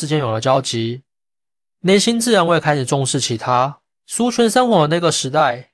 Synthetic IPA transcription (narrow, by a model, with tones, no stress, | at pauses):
ɻ̩˧˩t͡ɕjɛ˧˥njo˨˩lə˧˦t͡ɕjɑ˥ʊt͡ɕi˨˥ | njɛ˧˥˦nɕi˥nt͡sɹ̩˥˨ɻa˧˦nwe˥˧ɪkʰa˥ɪʂ̩˨˩ʈ͡ʂʊ˥˧ŋʂɻ̩˥˩t͡ɕʰi˧˥t̪ʰa˥ | su˥t͡ʃʰə˧˥nʂə˥nxwɔ˧˥d̪ə˧˦na˥˩ɡə˩ʂɻ̩˧˥t̪a˥˩˨ɪ